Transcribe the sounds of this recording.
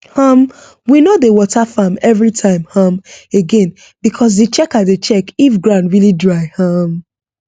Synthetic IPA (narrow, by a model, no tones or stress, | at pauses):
hʌm | winodewɔtʰafamɛvɹitʰãɪ̃mhãmeɡɛ̃n | bikʰɔs̬det͡ʃɛkatðet͡ʃɛkifɡɹãnɹilidɹaɪhʌm